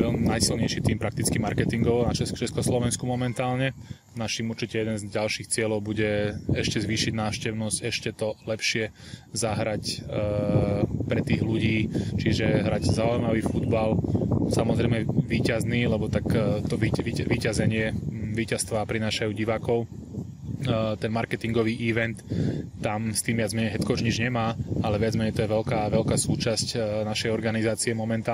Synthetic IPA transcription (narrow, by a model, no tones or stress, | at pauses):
ɛnajsilɲɛjʃit̪iːmpɾak̚t̪it͡skimaɾkɛt̪iŋɡɔʋɔnat͡ʃɛt͡ʃɛskɔslɔʋɛnskumɔmɛnt̪aːlɲɛ | naʃiːmuɾt͡ʃicɛjɛd̪ɛnzɟalʃiːxt͡sɪɛlɔʊbuɟɛɛʃcɛzʋiːʃiɟnaːʊʃcɛʊnɔscɛʃcɛt̪ɔlɛpʃɪɛzaɦɾac | pɾɛt̪iːɣluɟiːt͡ʃiʒɛɦɾaɟzaujmaʋiːfud̪balsamɔzɾɛɪmɛʋiːcazniːlɛbɔt̪akt̪ɔʋiʋiʋiːcazɛɲɪɛʋiːcast̪ʋaːpɾinaːʃajuɟiʋaːkɔʊ | t̪ɛnmaɾkɛt̪iŋɡɔʋiːʔiʋɛnt̪ːamst̪iːmʋɪad͡zmɛɲɛjɦɛt͡skɔud͡ʒɲid͡ʒɲɛmaːalɛʋɪad͡zmɛɲɛjt̪ɔjɛʋɛlkaːʋɛlkaːsuːt͡ʃascnaʃɛjɔɾɡanizaːt͡siɛmɔmɛnt̪aː